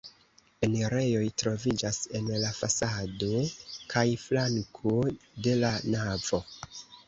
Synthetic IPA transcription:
enɾe̞jo̞jtɾo̞vid͡ʒase̞nlafasado̞kʰajflaŋkʰode̞lanavo̞

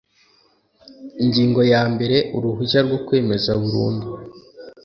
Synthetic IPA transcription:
iɲɟiːŋɡo̞jaːmbe̞ɾe̞ʔuɾuɦuʃaɾɡwokwe̞ːme̞zaβuɾṵːndi

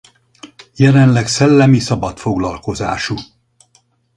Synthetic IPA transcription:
jɛlɛnlɛksɛlːɛmisɒbɒt̪fo̞ɡlɒlko̞za̰ːʃu

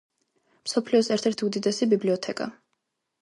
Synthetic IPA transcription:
msɔpʰliɔsɛɾt̪ʰɛɾt̪ʰiud̪id̪ɛsibibliɔt̪ʰɛkʼa̰

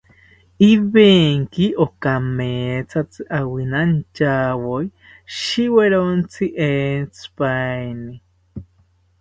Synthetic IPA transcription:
iβeŋkiʔokameːt͡sʰat͡sɨʔawinant͡ʃaːwoj | ʃiweɾont͡sʰiʔent͡sʰɨ̥pajni

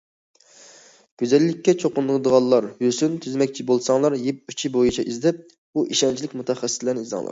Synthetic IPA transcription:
ɡ̥ʲøzɛlːɪkʲʰːɛt͡ʃʰoqʊnd̪əlˠəd̪əʁɑnlːˠɑɾjøsynt̪ʰyzmɛkʲt͡ʃʰibolˠsɑŋlˠɑɾjep̚yt͡ʃʰibojit͡ʃʰɛʔizd̪ɪp̚ | uʔiʃɛnt͡ʃʰilɪkʲmut̪ʰɛχɛsːɪ̥slɛnɪizd̪ɨ̰ŋlˠɑ̰ɾ

